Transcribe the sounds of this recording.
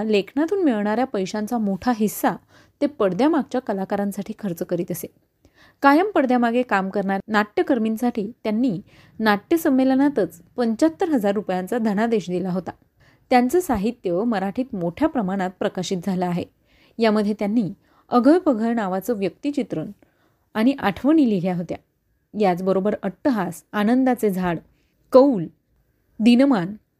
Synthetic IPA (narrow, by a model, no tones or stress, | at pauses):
lekʰnat̪uːnmiɭɳaɾjapəjɕãnt͡samoʈʰaɦisːa | t̪epəɽd̪jamaɡ̚t͡ɕjakəlakaɾãnsaʈʰiːkʰəɾt͡səkəɾiːt̪əse | kajəmpəɽd̪jamaɡekamkəɾɳanaʈjəkəɾminsaʈʰiːt̪janːiː | naʈjəsəmːelənat̪ət͡s | pəɲt͡ɕat̪ːəɾɦəd͡zaɾːupjant͡sad̪ʱəɽ̃ad̪eɕd̪ilaɦot̪a | t̪jant͡səsaɦit̪jəməɾaʈʰiːt̪moʈʰjapɾəmaɽ̃at̪̚pɾəkaɕiːt̪̚d͡zʱalaːɦe | jaməd̪ʱjet̪janːiː | əɡʱəjpəɡʱəɾɳaʋat͡səʋjək̚t̪it͡ɕit̪ɾən | aɽ̃iʔaʈʰʋəniliɦjaɦot̪ja̰ | jat͡sbəɾobəɾəʈt̪ːəɦasanənd̪at͡sed͡zʱaɽ | kəul | d̪inəman